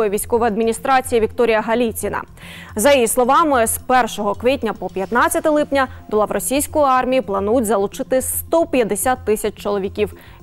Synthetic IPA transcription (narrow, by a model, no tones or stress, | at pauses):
jiʋʲijsʲkɔʋɔjɐd̪mʲinʲist̪ɾɑt͡sʲijiʋʲikt̪ɔɾʲijɐɦɐlʲit͡sʲinɐ̰ | zɐjijislˠɔʋɑmɪspɛrʃɔɦɔkʋʲitʲnʲɐpɔpʲjɐt̪nɑt͡st͡sʲɐt̪ɛlˠɪpnʲɐd̪ʊlˠɑʋrɔsʲijsʲkʊjʊɑrmʲijiplˠɐnudʲzɐlˠut͡ʃɪt̪ɪst̪ɔpʲjɐd̪esʲat̪ːɪsʲɐt͡ʃt͡ʃɔlˠɔʋʲikʲiw